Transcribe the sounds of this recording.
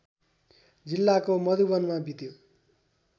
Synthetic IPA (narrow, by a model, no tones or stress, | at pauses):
d͡zilːakomʌd̪ubʌnmabʱit̪jo